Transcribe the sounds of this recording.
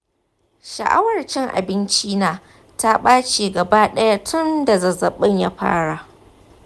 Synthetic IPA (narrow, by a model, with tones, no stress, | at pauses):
ʃɐ̰˨ʔa̰˦wɐ˨rt͡ʃɪ˦ŋʔa̰˨bɪ˦nt͡ʃiː˦naː˨ | ta˦ɓaː˦t͡ʃeː˨ɡɐ˨baː˦ɗɐ˦ja˦tʰʊ˦nda˨zɐ˨zɐ˨ɓɪ˦ɲja˦ɸa̰ː˦ɽa˨ʔ